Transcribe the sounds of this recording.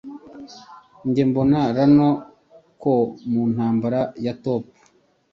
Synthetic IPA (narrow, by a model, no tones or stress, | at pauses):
ɲɟe̞mbo̞naɾano | komun̥haːmbaɾajatoːp̚ḁ